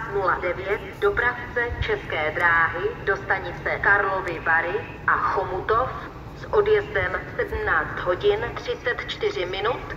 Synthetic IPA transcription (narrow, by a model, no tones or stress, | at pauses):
nuladɛvjɛt̪do̞pɾaft͡sɛt͡ʃɛskɛːd̪ɾaːɦɪdo̞st̪aɲɪt͡sɛkaɾlo̞vɪvaɾɪ | ʔaxomut̪o̞f | sʔo̞djɛzdɛmsɛdm̩naːt͡st̪ɦo̞ɟɪnt̪r̝̥ɪt͡sɛt̪t͡ʃt̪ɪr̝ɪmɪnut̪